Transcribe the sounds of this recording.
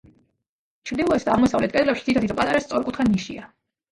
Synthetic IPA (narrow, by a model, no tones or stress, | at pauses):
t͡ʃʰvɾd̪ilˠɔɛsd̪aːʁmɔsavlɛt̪̚kʼɛd̪lɛpʃit̪ʰit̪ʰat̪it̪ʰɔpʼat̪ʼaɾast̪sʼɔɾkʼut̪ʰχaniʃḭa